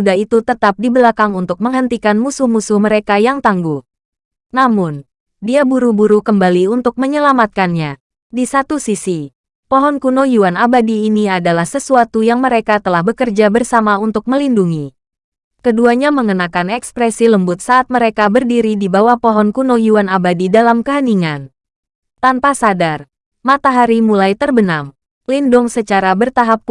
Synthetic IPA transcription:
udait̪ut̪ət̪ap̚dibəlakaŋunt̪ʊk̚məŋɦənt̪ikanmusʊhmusʊhməɾekajaŋt̪aŋɡu | namʊn | diabuɾubuɾukəmbaliunt̪ʊk̚məɲəlamat̪̚kanɲa | disat̪usisi | pɔɦɔnkunojuanabadiːniadalahsəsuat̪ujaŋməɾekat̪əlahbəkərd͡ʒabərsamaunt̪ʊk̚məlinduŋi | kəduaɲaməŋənakanɛkspɾɛsiləmbʊt̪̚saːt̪̚məɾekabərdiɾidibawahpɔɦɔnkunojuanabadidalamkəɦəniŋan | t̪anpasadar | mat̪aɦaɾimulajt̪ərbənam | lindʊŋsət͡ʃaɾabərt̪aɦap̚

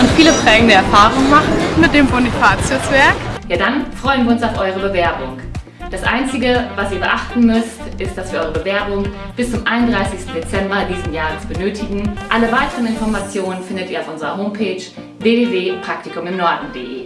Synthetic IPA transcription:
ʔʊntfiːləpʁ̥ɛːɡŋ̩dəɛɐfaːʁʊŋmaχn̩mɪt̚d̥eːmbonifʰaːt͡sɛsv̥ɛɐkjaːdanfʁ̥ɔʏənviɐʊnsaʊfʔɔʏʁ̞əbəvɛɐbʊŋ | d̥asʔa̰ɪnt͡sɪɡəvasiːɐbəʔaχtn̩mʏstʔɪstd̥asv̥iːɐʔɔʏʁəbəvɛɐbʊŋ | b̥ɪst͡sʊmʔaɪnʊntd̥ʁaɪsɪçstn̩det͡sɛmbɐdiːzm̩jaːʁəst͡sb̥ənøːtʰɪɡŋ̩ʔaləvaɪtəʁənɪnfɔɐmat͡sjoːnənfɪndətiːɐaʊfʔʊnzəʁɐɦoːmpʰeːt͡ʃ | v̥eːveːveːpʁ̥aktikʊmɪmnɔɐdn̩dḛʔeː

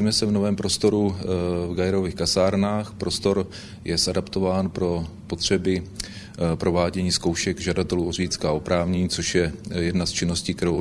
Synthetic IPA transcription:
imɛsɛvno̞vɛːmpɾo̞st̪o̞ɾuvɡajɛɾo̞viːxkasaːɾnaːxpɾo̞st̪o̞ɾ | jɛsadapt̪o̞vaːnpɾo̞po̞t̪r̝̥ɛbɪ | pɾo̞vaːɟɛɲiːskowʃɛɡʒadat̪ɛluorijt͡skaopɾaːvɲɛɲiːt͡so̞ʃjɛjɛdnast͡ʃɪno̞sciːkt̪ɛɾowʔ

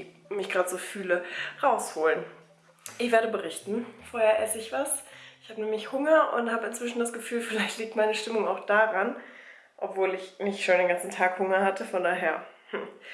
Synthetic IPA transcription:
mɪçɡ̥ʁaːdz̥oːfyːləʁaʊshoːlən | ʔɪçv̥eːɐɾəbəʁɪçtn̩foːɐheːɐʔɛsəɪçv̥asʔɪçhaːbənɛːmlɪçhʊŋɐʔʊ̰nthaːbəɪnt͡sv̥ɪʃn̩dasɡ̥əfyːlfɪlaɪçtliːk̚tmaɪnəʃtɪmʊŋaʊxd̥aʁan | ʔɔpv̥oːlɪçmɪçʃoːndeːnɡant͡sn̩tʰaːkhʊŋɐhatʰəfɔndaːɦeːɐhm̩

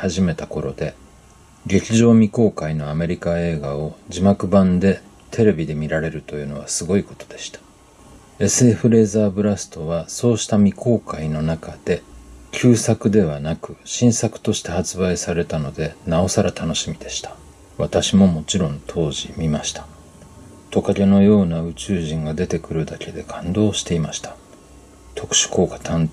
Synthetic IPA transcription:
haʑime̞t̪ako̞ɾo̞d̪e̞ | ɡe̞kʲiʑo̞ːmʲiko̞ːkaino̞ame̞ɾʲikae̞ːɡao̞d͡ʑimakɯ̟bãnd̪e̞ | t̪ʰe̞ɾe̞bʲid̪e̞mʲiɾaɾe̞ɾɯ̟t̪o̞jɯ̟ːno̞βasɨɡo̞iko̞̥t̪o̞̥d̪e̞ɕi̥t̪ḁ | e̞sɨe̞ɸɯ̟ɾe̞ːzaːbɯ̟ɾasɨ̥t̪o̞βaso̞ːɕi̥t̪amʲiko̞ːkaino̞nakad̪̥e̞kʲʰɨːsakɯ̟d̪e̞β̞anakɯ̟ɕĩɰ̃sakɯ̟̥t̪o̞ɕi̥t̪e̞hat͡sɨbaisaɾe̞t̪ano̞d̪e̞nao̞saɾat̪ano̞ɕimʲid̪e̞ɕi̥t̪ḁ | βat̪aɕimo̞mo̞t͡ɕiɾõ̞nt̪ʰo̞ːʑimʲimaɕi̥t̪ḁ | t̪o̞kaɾʲeno̞jo̞ːnaɯ̟t͡ɕɨːʑĩŋɡad̪e̞t̪e̞kɯ̟ɾɯ̟d̪ake̞d̪e̞kʰãnd̪o̞ːɕi̥t̪e̞imaɕi̥t̪ḁ | t̪ʰo̞kɯ̟̥ɕi̥ko̞ːkḁt̪ʰãn

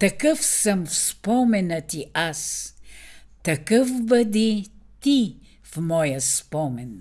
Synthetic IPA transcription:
t̪ɐkəfsəmfspɔmɛnət̪iʔas | t̪ɐkəfbəd̪it̪i | fmɔjəspɔmɛn

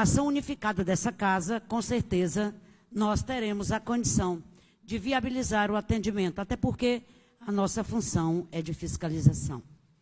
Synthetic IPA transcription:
asɐ̃w̃unifikad̪ɐd̪ɛsɐkazɐkõseɾt̪ezɐ | nɔst̪eɾẽmʊzɐkõd͡ʒisɐ̃w̃ | d͡ʒɪviabilizaɾʊat̪ẽnd͡ʒimẽnt̪ʊat̪ɛpoɾke | ɐnɔsɐfũsɐ̃w̃ɛd͡ʒɪfiskalizasɐ̰̃w̃

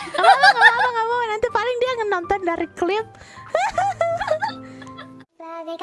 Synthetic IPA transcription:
alaŋaaaŋabawanant̪ipalɪŋdiaŋənːɔnt̪ɔndaɾiklɪp̚

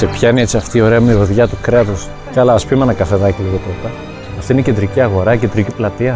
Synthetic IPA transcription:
se̞pçɐineet͡siɐft̪iːo̞ɾeɐmuɾoðʝɐt̪ukɾeɐt̪os | cɐlɐːspimenɐkɐθeðɐciliɣot̪ot̪ɐ | ɐft̪ineced̪ɾiciɐɣo̞ɾɐiced̪ɾiciplɐt̪iɐ

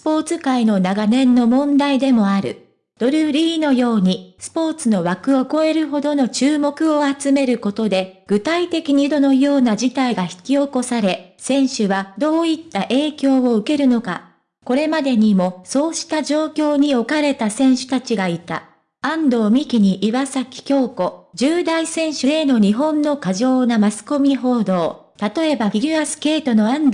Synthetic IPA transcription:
sɨ̥po̞ːt͡sɨkaino̞naɡanẽ̞nːo̞mõ̞nd̪aid̪e̞mo̞aɾɯ̟̰ | d̪̥o̞ɾɯ̟ɾʲiːno̞jo̞ːɲ̟isɨ̥po̞ːt͡sɨno̞βakɯ̟o̞ko̞e̞ɾɯ̟ɦo̞d̪o̞no̞t͡ɕɨːmo̞kɯ̟o̞at͡sɨme̞ɾɯ̟ko̞t̪o̞d̪e̞ɡ̥ɯ̟t̪ait̪e̞kʲiɲ̟id̪o̞no̞jo̞ːnaʑit̪aiɡaçi̥kʲio̞ko̞saɾe̞ | sẽ̞ɰ̃ɕɨβad̪o̞ːit̪ːaʔe̞ːkʲo̞ːoɯ̟ke̞ɾɯ̟no̞ka̰ | ko̞ɾe̞mad̪e̞ɲ̟imo̞so̞ːɕi̥t̪ad͡ʑo̞ːkʲo̞ːɲ̟io̞kaɾe̞t̪asẽ̞ɰ̃ɕɨ̥t̪at͡ɕiɡait̪a̰ | ãnd̪o̞ːmʲikʲiɲ̟iʔiβasakʲi̥kʲo̞ːko̞d͡ʑɨːd̪aisẽ̞ɰ̃ɕɨɾeno̞ɲ̟iɦõ̞nːo̞kaʑo̞ːnamasɨ̥ko̞mʲiɦo̞ːd̪o̞ː | t̪at̪o̞e̞baiɡʲiβasɨ̥ke̞ːt̪o̞no̞ãnd̪

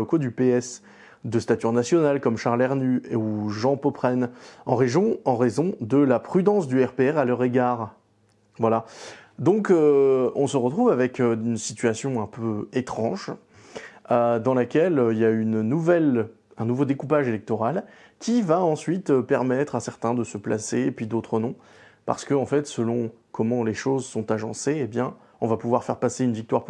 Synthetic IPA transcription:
okod̪ypeɛs | d̪əst̪at̪yʁnasjɔnalkɔmʃaʁlɛʁnyeuʒɑ̃popχɛnɑ̃ʁeʒjɔ̃ɑ̃ʁezɔ̃d̪əlapχyd̪ɑ̃sd̪yɛʁpeɛʁalœʁeɡaːʁ | vwalad̪ɔ̃køɔ̃səʁət̪χuvavɛkøynsi̥t̪ɥasjɔ̃ɛ̃pøet̪χɑ̃ʒ | ød̪ɑ̃lakʲɛløiljaynnuvɛl | ɛ̃nuvod̪ekupaʒelɛk̚t̪ɔʁal | kʲivaɑ̃sɥit̪øpɛʁmɛt̪χasɛʁt̪ɛ̃d̪əsəpla̰sepɥid̪ot̪χənɔ̃ | pa̰ʁsə̥kəɑ̃fɛt̪səlɔ̃ | kʰɔmɑ̃leʃozsɔ̃t̪aʒɑ̃seebjɛ̃ | ɔ̃vapuvwaʁfɛʁpaseynvik̚t̪waʁp

